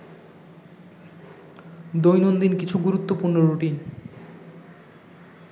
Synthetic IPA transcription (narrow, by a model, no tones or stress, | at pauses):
d̪ojnond̪inkit͡ɕʰuɡuɾut̪ːopuɾnoɾuʈin